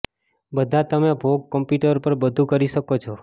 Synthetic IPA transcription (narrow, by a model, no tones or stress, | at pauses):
bəd̪ʱat̪əmebʱoɡ̚kəmpjuʈəɾpəɾbəd̪ʱũkəɾiʃəkot͡ʃʰɔ